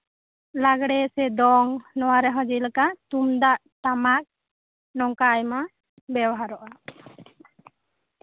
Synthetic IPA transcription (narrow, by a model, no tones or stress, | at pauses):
laɡɽɛsɛd̪ɔŋnɔwaɾɛɦɔ̃d͡ʒilakat̪umd̪aʔ | t̪amak̚ | nɔŋkajma | bɛwaɦaɾɔʔa